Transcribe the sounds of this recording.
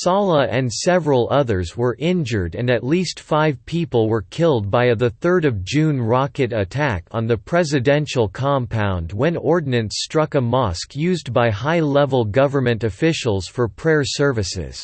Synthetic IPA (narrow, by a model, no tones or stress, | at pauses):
sɑlˠəʔɨ̃nsɛvɹəl̩ˠʌðə˞zwə˞ʔɪ̃nd͡ʒə˞ɾɨ̃nɨtˡlistfaɪv̥pʰipl̩ˠwə˞kʰɪlˠd̚baɪɨðəθɜ˞ɾʌvd͡ʒʉ̃nɹɑkɨɾɨtʰækn̩ðɨpʰɹ̥ɛzɨdɛ̃nʃl̩ˠkʰɑ̃mpʰãʊ̃nd̚wə̃nɔɹdⁿn̩ɨ̃nstɹ̥ʌkəmɑskʰjʉzbaɪɦaɪlɛvl̩ˠɡʌvə˞mɨ̃ntɨfɪʃl̩ˠz̥fə˞pʰɹ̥ɛɹsɜ˞vɨsɪ̰z̥